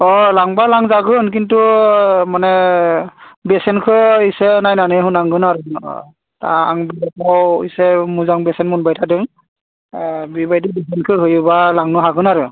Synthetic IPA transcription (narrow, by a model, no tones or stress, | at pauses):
ɔlaŋbalaŋzaɡɯnk̬intumanɛ | bɛsɛnkʰɯisɛnajnanɯɦunaŋɡɯnaɹṵ | ta̰a̰ŋbilakawisɛmuzaŋbɛsɛnmunbajtʰadɯŋ | bibajdibɛsɛnkʰɯɦɯjubalaŋnɔɦaɡɯnaɹu